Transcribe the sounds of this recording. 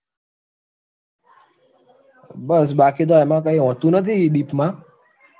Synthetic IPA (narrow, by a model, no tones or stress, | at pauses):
bəs̬bakit̪̬oɛmãk̬əĩɦɔ̃t̪ũnət̪ʰiɗiːpmãː